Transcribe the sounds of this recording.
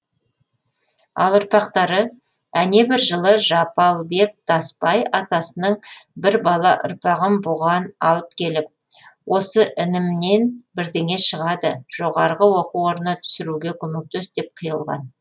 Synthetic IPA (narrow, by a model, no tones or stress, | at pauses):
ɑ̰lˠʊɾpɑqt̪ɑɾə | æne̞bɪɾʒəlˠəʒɑpɑlˠbe̞k̚t̪ɑspɑjɑt̪ɑsənəɴbɪɾbɑlˠɑʔʊ̰ɾpɑʁəmboʁɑnɑlˠəp̚kʲʰe̞lɪp̚ | wʔo̞səʔɪnɪmne̞nbɪɾd̪eŋʲe̞ʃəʁɑd̪əʒ̥o̞ʁɑɾʁəwo̞quwwoɾnət̪ʰʏ̥sɪɾuɡʲe̞kʲʰɵme̞k̚t̪øsd̪e̞p̚qʰəjəlˠʁɑ̰n